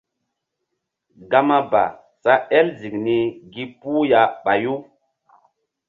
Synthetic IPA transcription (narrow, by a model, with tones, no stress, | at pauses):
ɡa˦ma˦ba̰˨ | sa˦ɛ˦lzi˨k̚ni˨ɡi˦pu˦ja˨˦ɓa˨ju˦